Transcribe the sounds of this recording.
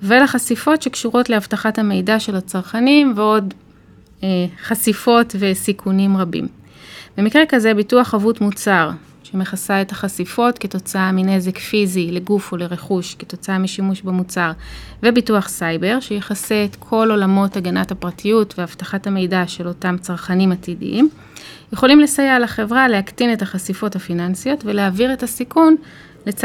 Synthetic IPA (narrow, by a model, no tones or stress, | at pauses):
velaχasifo̞tʃe̞kʃuʁo̞tleavtaχathame̞jdaʃe̞lat͡saʁχanimveo̞d | eχasifo̞tve̞sikʰunimʁabḭm | be̞mikʁekaze̞bituaχavutmut͡saʁ | ʃeme̞χasae̞taχasifo̞tke̞to̞t͡saamine̞zekfizile̞ɡufo̞le̞ʁeχuʃketo̞t͡saamiʃimuʃbemut͡saʁ | ve̞bituaχsajbe̞ʁʃejeχase̞ːtkʰo̞lo̞lamo̞taɡanathapʁatʰijutveavtaχathame̞jdaʃe̞lo̞tamt͡saʁχanimatidḭʔim | je̞χo̞limlesajaːlaχe̞vʁale̞aktine̞taχasifo̞thafinansijo̞tve̞leaviʁe̞tasikun | le̞t͡s